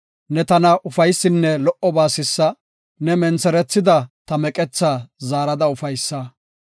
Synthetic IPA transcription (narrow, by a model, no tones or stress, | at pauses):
nɛt̪ɐnɐʔʊfɐjsːɪnːɛlɔʔɔbaːsɪsːɐ | nɛmɛnt͡sɛɾɛt͡sːɪd̪ɐt̪ɐmɛkʼɛt͡sːaːzaːɾɐd̪ɐʊfɐjsːa